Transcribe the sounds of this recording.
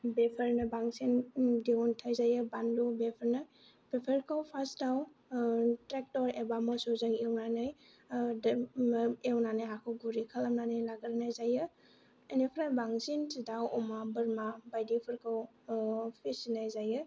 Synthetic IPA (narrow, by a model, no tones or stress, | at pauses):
bepʰəɾnɐbaŋsindiuntʰajzajɯbanlubepʰəɾna | b̥epʰəɾkʰawpʰasdaw | tɾek̚tɔɾebamɔsozɯŋewnanaj | d | ewnanajɦakʰɯwɡuɾikʰalamnanajlaɡəɾnajzajɯ | enipʰɾabaŋsintidawɔmabɯɾmabajdipʰɯɾkʰaw | pʰisinajzajɯ